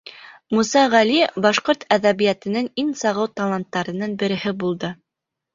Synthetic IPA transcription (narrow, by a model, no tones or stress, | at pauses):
musɑʁælibɑʃqoɾt̪æðæβijæt̪ɘ̆nɘŋinsɑʁɤwt̪ɑlˠɑnt̪ːɑɾɤ̆nɤɴbɘ̆ɾɘ̆hɘbulˠd̪ɤ